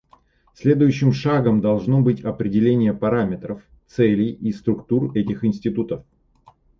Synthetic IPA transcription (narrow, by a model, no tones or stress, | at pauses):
sʲlʲe̞d̪ʊjʉɕːɪmʂaɡəmd̪ɐlˠʐnobɨtʲɐpɾʲɪdʲɪlʲenʲɪjəpɐɾamʲɪt̪ɾəf | t̪sɛlʲɪist̪ɾʊkt̪urɛtʲɪxɪnsʲtʲɪt̪ut̪əf